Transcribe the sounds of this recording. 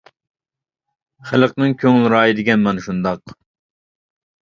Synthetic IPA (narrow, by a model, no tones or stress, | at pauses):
χælˠəqnɨŋkʲʰøŋlˠɾɑːjid̪ɪɡʲɛnmɑnʃund̪ɑq